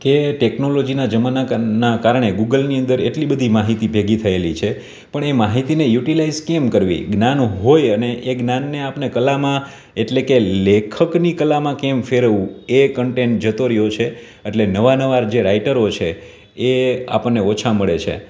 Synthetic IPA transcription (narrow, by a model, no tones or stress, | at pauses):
keʈeknolod͡ʒinad͡ʒəmananakaɾɳeɡuɡəlniənd̪əɾeʈlibəd̪ʱimaɦit̪ibʱeɡit̪ʰəelit͡ʃʰe | pəɳemaɦit̪inejuʈilaizkemkəɾʋḭɡnanɦojəneʔeɡnanːeapnekəlamã | eʈlekelekʰəknikəlamãkemfeɾəʋũekəɳʈeɳʈ̚d͡ʒət̪oɾəjot͡ʃʰe | eʈlenəʋanəʋaɾd͡ʒeɾaiʈəɾot͡ʃʰeː | a̰pəɳːeot͡ʃʰaməɭet͡ʃʰḛ